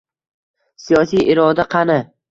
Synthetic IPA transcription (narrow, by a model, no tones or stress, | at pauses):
sijɒsijʔɪɾɒd̪aqʰɑna